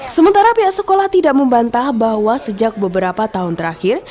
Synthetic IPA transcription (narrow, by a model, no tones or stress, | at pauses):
səmənt̪aɾapiaʔsəkolaht̪idaʔməmbant̪ahbaɦwasəd͡ʒak̚bəbəɾapat̪aɦʊnt̪əɾaxɪr